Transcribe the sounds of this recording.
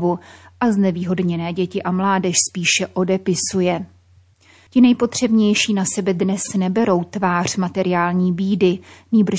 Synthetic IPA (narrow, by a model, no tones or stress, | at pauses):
vuʔaznɛviːɦo̞dɲɛnɛːɟɛcɪʔamlaːdɛʃspiːʃɛʔo̞dɛpɪsujɛ | cɪnɛjpo̞t̪r̝̥ɛbɲɛjʃiːnasɛbɛdnɛsnɛbɛɾo̞wt̪vaːr̝̥mat̪ɛɾɪjaːlɲiːbiːdɪniːbr̩